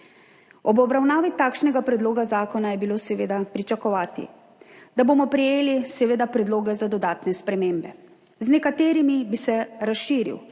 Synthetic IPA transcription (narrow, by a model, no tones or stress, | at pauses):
ɔbɔbɾawnaːʋit̪aːkʃnɛɡapɾɛd̪loːɡazaːkɔnajɛbiloːsɛʋeːd̪apɾit͡ʃakɔʋaːt̪ḭ | d̪aboːmɔpɾɛjeːlisɛʋeːd̪apɾɛd̪loːɡɛzad̪ɔd̪aːt̪nɛspɾɛmeːmbɛ | znɛkat̪eːɾimibisɛɾasʃiːɾḭw